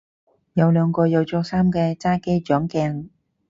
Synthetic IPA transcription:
jɐ˨˧wlœː˨˧ŋkɔː˧jɐ˨˧wt͡sɔː˧k̚saː˥mkɛː˧t͡saː˥ke˥jt͡ʃœː˨˥ŋkɛː˧ŋ

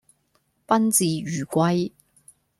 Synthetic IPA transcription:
pɐ˥nt͡siː˧jyː˨˩kʷɐ˧j

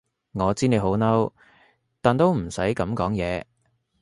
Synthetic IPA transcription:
ŋɔː˨˧t͡siː˥ne˨˧jɦo˨˥wnɐ˥w | t̪aː˨˩nt̪o˥wm̩˨˩sɐ˨˥jkɐ˨˥mkɔː˨˥ŋjɛ̰ː˨˧

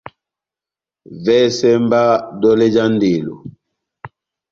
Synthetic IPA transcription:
vɛ˦sɛ˦mba˦dɔ˦lɛ˦d͡ʒa˦n˦de˨lo̰˨

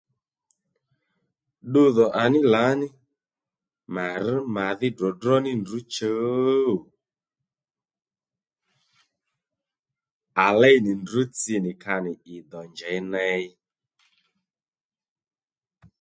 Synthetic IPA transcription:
ɗu˧ðɔ˨ʔa˨nɪ˦la˨˦nɪ˦ | ma˨ɾ̩˦ma˨ðɪ˦dɔ˨drɔ˦nɪ˦ndu˨˦t͡ʃə˨˦˨ | a˨lɛ˦jnɪ˨ndu˨˦t͡sɪ˧nɪ˨ka˧nɪ˨ɪ˨d̪ɔ˨ɲd͡ʒɛ˨jnɛ˧˦ɪ˦

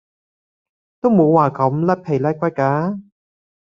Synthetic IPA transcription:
t̪o˥wmo˨˧wːaː˨kɐ˨˥mlɐ˥pʰe˨˩jlɛː˥kʷwɐ˥j̚kːaː˨˥

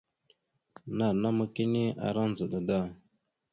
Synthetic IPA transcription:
na˨na˦mə˦ki˦ni˦a̰˨ɾa˦n˨zə˨ɗə˨da˦˨

